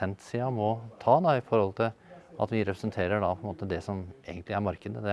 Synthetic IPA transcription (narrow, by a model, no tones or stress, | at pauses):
ɛnt̪siːɑmɔt̪ʰɑːd̪ɑɪfɔɾhɔlt̪ʰɪlɑ̰t̪ʋɪɾɛpɾəsənt̪ʰeːɾəɖɑpʰɔɛnmoːt̪əd̪ɛsɔmeːɡənt̪ʰlɪæɾmɑɾkəd̪əd̪ɛ